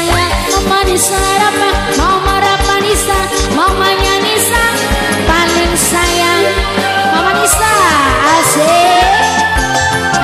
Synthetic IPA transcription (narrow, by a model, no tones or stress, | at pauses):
jaŋməmanisaaɾapaŋ | maumaɾapanisa | maumaɲanisaŋ | palɪŋsajaŋ | mamanisaː | ze